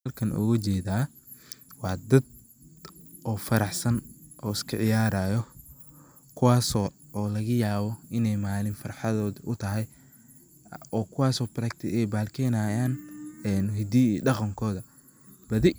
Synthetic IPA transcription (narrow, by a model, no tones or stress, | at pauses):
ɐlkʰɐnʔɔ̰ɣɐt͡ʃɛːðaː | wɑːd̪ɐd̪ | ɔːfɐɾɑħsɐnʔɔːɪskʰɐʕɪjaːɾaːjɔ | kʰʊwɑːsɔːlɐɣɐjaːβɔɪnɛjmaːlɪmfɐrħɑðɔːðʔʊt̪ʰɐɦɛj | ɔːkʰʊwɑːsɔːbɾɐkt̪ʰɪɛjbaːlkʰɛnaːjaːnɛːnɦɪd̪iːɖɑqɑŋkʰɔːðɐ | b̥ɐðɪ